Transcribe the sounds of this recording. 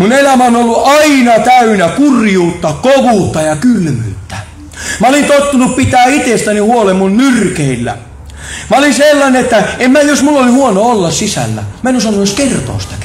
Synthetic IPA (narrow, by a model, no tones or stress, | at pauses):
munelæmæonolːuʔɑinɑt̪æynækurjuːt̪ːɑkoʋuːt̪ːɑjɑkylmy̰ːt̪ːæ̥ | mæolint̪ot̪ːunuppit̪æːit̪est̪ænihuolemːunmyrkeilːæ̰ | mæolinselːɑneet̪ːæemmæjosmulːolihuonoolːɑssisæ̰lːæ̰mænusɑnːooskert̪o̰ːst̪ɑ̥